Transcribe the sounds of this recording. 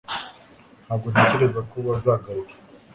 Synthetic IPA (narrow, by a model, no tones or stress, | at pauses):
n̥haːbɡo̞n̥ece̞ɾe̞zakuβazaːɡaɾuɾḁ